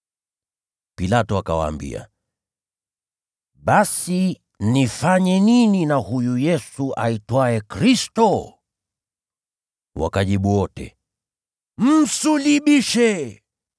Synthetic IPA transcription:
pilatɔakawa̰ːmbḭa̰ | ɓasi | nifaɲɛnininahujujɛsuʔaitwaɛkɾistɔ | wa̰kaʄiɓuwɔtɛ̰ | m̩suliɓiʃɛ

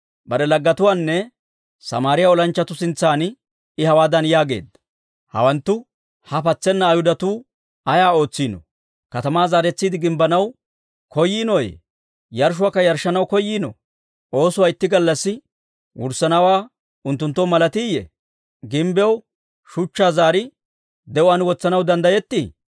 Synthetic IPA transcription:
bɐɾɛlɐɡːɐt̪ʊwaːnːɛ | sɐ̰maːɾɪjaɔlɐnt͡ʃːɐt̪ʊsɪnt͡sːaːn | ɪhɐwaːd̪ɐnjaːɡe̞̰ːd̪ːɐ | hɐ̰wɐnt̪ːʊ | hɐpɐt͡sːɛnːɐːjhʊd̪ɐt̪uː | ɐjaːo̞ːt͡sːiːnɔ̰ | kɐt̪ɐmaːzaːɾɛt͡sːiːd̪ɪɡɪmbɐnɐw | kɔjːiːnɔjɛ̰ | jɐɾʃ̬ʊaːkːɐjɐɾʃːɐnɐwkɔjːiːnɔ̰ | ʔo̞ːsʊwaːɪt̪ːɪɡɐlːɐsːɪ | wʊ̰ɾsːɐnɐwaː | ʊnt̪ːʊnt̪ːɔmɐlɐt̪ɪjːɛ̰ | ɡɪmbɛw | ʃʊt͡ʃːaːzaːɾɪ | d̪ɛʔʊɐnwɔt͡sːɐnɐwd̪ɐnd̪ɐjɛt̪ːɪ

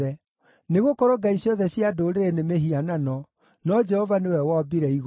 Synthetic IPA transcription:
ɛ | neɣokɔɾɔɡaiɕjɔðɛɕjadoːɾeɾenemeɦiananɔ | nɔd͡ʒɛhɔvanewɛwabiɾɛiɣ

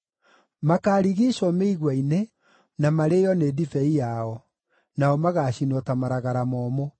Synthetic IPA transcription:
makaːɾiɣiʃɔmeiɣwaine | namaɾejɔneːdifɛijaɔ | naɔmaɣaːɕinwɔtamaɾaɣaɾamɔːmɔ

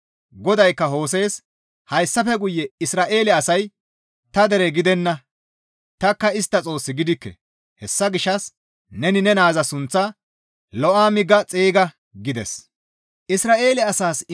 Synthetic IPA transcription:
ɡɔd̪ɐjkːɐɦo̞ːs̬e̞ːs | hɐjsːɐfɛɡʊjːɛɪsɾaːʔe̞ːlɛɐsɐj | t̪ɐd̪ɛɾɛɡɪd̪ɛnːɐ | t̪ɐkːɐɪst̪ːɐt͡sʼo̞ːsːɪɡɪd̪ɪkːɛ̰ | hɛsːɐɡɪʃːɐs | nɛnɪnɛnaːzɐsʊnt͡sːɐ | lɔʔaːmɪɡːɐt͡sʼeːɡɐ | ɡɪd̪ɛ̰s | ʔɪsɾaːʔe̞ːlɛɐsaːs

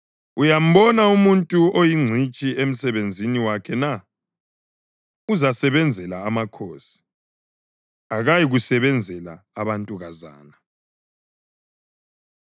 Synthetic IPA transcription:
ujam̩bɔnaumuntʼuojiŋ͡ǀʱit͡ʃʼiem̩sɛβend͡zʱiniwakʰɛna | uzasɛβɛnd͡zʱɛlaːmakʰoːsi̥ | aɣajiɣusɛβɛnd͡zʱɛla̰ːβantʼuɣaza̰ːna

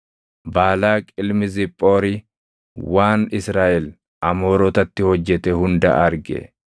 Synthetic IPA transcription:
baːlaːkʼɪlmɪzɪpʼːo̞ːɾɪ | waːnɪsɾaːʔɛl | ʔɐmoːɾɔːt̪ɐt̪ːɪhɔd͡ʒːɛt̪ɛhʊnd̪ɐ̰ʔɐɾɡɛ̰

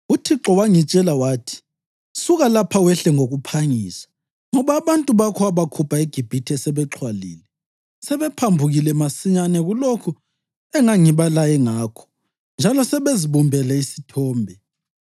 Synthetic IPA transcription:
utʰiǁɔwaŋit͡ʃʼɛlawaːtʰi̥ | suɣalapʰawɛɬɛŋoɣupʰaŋiːsḁ | ŋɔβaːβantʼuβakʰɔaβakʰupʰaeɡ̥ʱib̥ʱitʰɛsɛβɛǁʰwalḭːlɛ | sɛβɛpʰambʱuɣilɛmasiɲanɛɣulokʰu | ɛŋaŋiβalajɛŋaːkʰɔ̥ | nd͡ʒʱalɔsɛβeziβumbʱɛlɛisi̥tʰɔːmbʱɛ

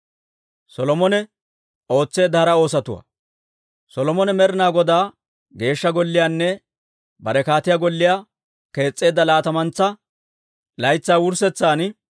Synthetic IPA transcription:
sɔlɔmɔnɛ | o̞ːt͡sːe̞ːd̪ːɐhɐɾɐo̞ːsɐt̪ʊwɐ̰ | sɔlɔmɔnɛmɛɾɪnaːɡɔd̪aː | ɡe̞ːʃːɐɡɔlːɪjaːnːɛ | bɐɾɛkaːt̪ɪjaːɡɔlːɪjaː | ke̞ːt͡sʼːe̞ːd̪ːɐlaːt̪ɐmɐnt͡sːɐ | lɐjt͡sːaːwʊɾsɛt͡sːaːn

